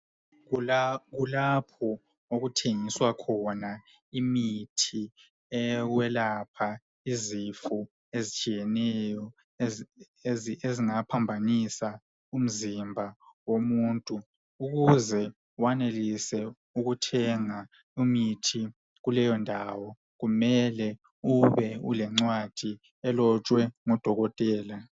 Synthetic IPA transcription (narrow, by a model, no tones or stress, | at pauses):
ɣulapʰɔ | oɣutʰeŋiswakʰɔna | imitʰi | ɛwɛlapʰa | izifu | ezit͡ʃʼijɛnɛjɔ | eziŋapʰambʱanisa | um̩zimbʱawomuntʼu | uɣuzɛ | wanelisɛ | uɣutʰɛŋa | umitʰi | ɣulɛjɔndʱaːwɔ | ɣumɛlɛ | uβɛṵlɛŋ͡ǀwad̥ʱi | ɛlɔt͡ʃʼwɛŋɔd̥ʱɔɣɔtʼɛːla